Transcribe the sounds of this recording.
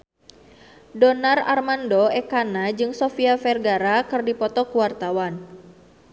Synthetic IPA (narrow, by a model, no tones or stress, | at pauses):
dɔnara̰rmandɔɛkanad͡ʒɨŋsɔfiafɛrɡaɾakɨrdipɔt̪ɔkuwart̪awan